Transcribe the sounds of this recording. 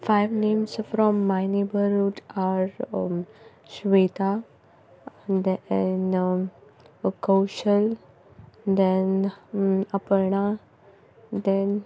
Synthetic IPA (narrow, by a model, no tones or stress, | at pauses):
faɪʋnẽːmsfɾɔmːajnebəɾuʈaɾ | ʃʋet̪a | d̪ɛn | kəwʃəl | d̪ɛ̃n | əpəɾɳa | d̪ɛ̃n